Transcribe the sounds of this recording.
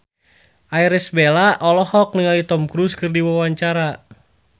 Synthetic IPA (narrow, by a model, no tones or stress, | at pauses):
ʔaiɾɛsbelaʔɔlɔhɔk̚nəŋalit̪ɔmkɾuskɨrdiwawaɲt͡ʃaɾa